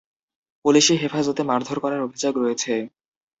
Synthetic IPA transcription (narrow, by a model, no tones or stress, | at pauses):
puliʃiɦefad͡ʑot̪emaɾd̪ʱoɾkɔɾaɾobʱid͡ʑaɡɾoet͡ɕʰe